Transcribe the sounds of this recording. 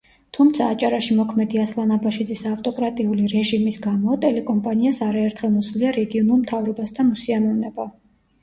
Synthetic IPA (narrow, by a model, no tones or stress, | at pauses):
t̪ʰumt̪sʰaːt͡ʃʼaɾaʃimɔkʰmɛd̪iaslˠanabaʃid̪zisavt̪ʼɔkʼɾat̪ʼiuliɾɛʒimisɡamɔt̪ʼɛlɛkʼɔmpʼaniasaɾaɛɾt̪ʰχɛlˠmɔsliaɾɛɡiɔnulˠmt̪ʰavɾɔbasd̪ʰamusiamɔvnɛba